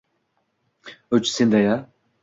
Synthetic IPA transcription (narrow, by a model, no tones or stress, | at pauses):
ɵt͡ʃsend̪aja